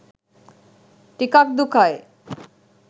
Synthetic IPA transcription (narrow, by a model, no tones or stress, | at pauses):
ʈikak̚d̪ukʰae